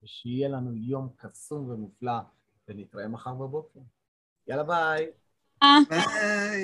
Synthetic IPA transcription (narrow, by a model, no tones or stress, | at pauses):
veʃeijelanujo̞mkasumvemufla | venit̪ʁaemaχaʁbaboke | jalabajt̪ | aaj